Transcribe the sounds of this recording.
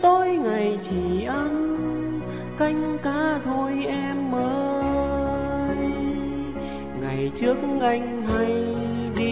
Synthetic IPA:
t̪o˧jŋa˨˩jt͡ɕi˨˩ʔə˧n | ka˧jŋ̟kaː˧˩t̪ʰo˧jʔɛ˧mʔəː˧˦˧ | j | ŋa˨˩jt͡ɕɨ˦˥ək̚ʔa˧jŋ̟ɦa˧jɗi˧

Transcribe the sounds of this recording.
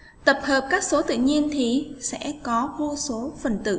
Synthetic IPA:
t̪ə˨˩p̚həː˨˩p̚kaː˦˥k̚so˨˦t̪ɨ̰˧˨ɲi˧ənt̪ʰi˨˩sɛ̰˧˥kɔ˨˦vu˧so˨˦fə˨˩nt̪ɨ̰˧˨

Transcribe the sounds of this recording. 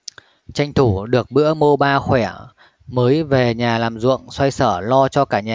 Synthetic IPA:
t͡ɕa˧jŋ̟t̪ʰu˧˩ɗɨ˨˩ək̚ɓɨ̰˧˥əmo˧ɓaː˧xwɛ˧˩ | məː˨˦jve˨˩ɲaː˨˩laː˨˩mzṵ˧˨əŋswa˧jsəː˧˩lɔ˧t͡ɕɔ˧kaː˧˩ɲaː˨˩

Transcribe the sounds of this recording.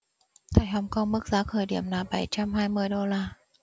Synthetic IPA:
t̪ʰa˧˩jhɔ˨˦wŋ͡mkɔ˧wŋ͡mmɨ˦˥k̚zaː˨˦kʰəː˨˩jɗḭ˧˩əmnaː˨˩ɓa˧˩jt͡ɕa˧mhaː˧jmɨ˧əjɗo˧laː˧

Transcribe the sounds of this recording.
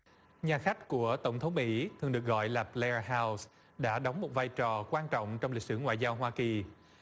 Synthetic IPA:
ɲaː˨˩xa˦˥k̟̚ku˧˩ət̪ə˧˩wŋ͡mt̪ʰə˨˦wŋ͡mmḭ˧˥t̪ʰɨ˨˩əŋɗɨ˨˩ək̚ɣɔ̰˧˨jlaː˨˩plɛ˧ɦaː˧ws | ɗa̰ː˧˥ɗɔ˨˦wŋ͡mmo˨˩t̚vaː˧˩jt͡ɕɔ˨˩kwaː˧nt͡ɕɔ̰˧˨wŋ͡mt͡ɕɔ˧wŋ͡mli˨k̚sɨ̰˧˩ŋwa̰ː˧˨jzaː˧wɦwaː˧ki˨˩

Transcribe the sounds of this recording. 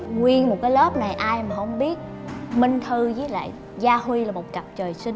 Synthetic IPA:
ŋwi˧ənmo˨˩t̚kaː˨˦jlə˦˥p̚na˨˩jʔaː˧jmaː˨˩hə˧wŋ͡mɓi˦˥ət̚ | mï˧ŋ̟t̪ʰɨ˧zəː˨˦la̰ː˧˨j | zaː˧hwi˧laː˨˩mo˨˩t̚ka˨˩p̚t͡ɕəː˨˩jsï˧ŋ

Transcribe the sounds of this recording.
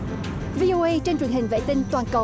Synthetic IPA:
vi˧ʔo˧ʔə˧jt͡ɕe˧nt͡ɕwənhï˨˩ŋ̟vḛ˧˨˥t̪ï˧ŋt̪waː˨˩nkə˨˩

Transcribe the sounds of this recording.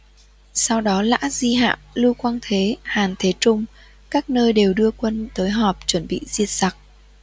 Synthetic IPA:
sa˧wɗɔ˨˦la̰ː˧˥zi˧ɦa̰ː˧˨wlɨ˧kwaː˧ŋt̪ʰe˨˦haː˨˩nt̪ʰe˨˦t͡ɕʊ˧ŋ͡m | kaː˦˥k̚nəː˧jɗe˨˩wɗɨ˧əkwə˧nt̪əː˨˦jɦɔ˨˩p̚t͡ɕwə˧˩nɓḭ˧˨zi˧ət̚sa˨˩k̚

